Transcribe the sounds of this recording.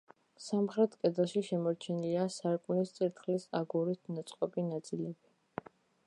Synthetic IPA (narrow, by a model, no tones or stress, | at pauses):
samχɾɛt̪ʰkʼɛd̪ɛlˠʃiʃɛmɔɾt͡ʃʰɛniliasaɾkʼunist̪sʼiɾt̪ʰχlisaɡuɾit̪ʰnat̪sʼqʼɔpʼinat̪sʼilɛbi